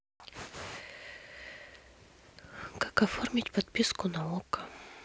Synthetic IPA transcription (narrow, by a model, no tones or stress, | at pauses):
kakɐformʲɪtʲpɐt̪pʲiskʊnɐukə̥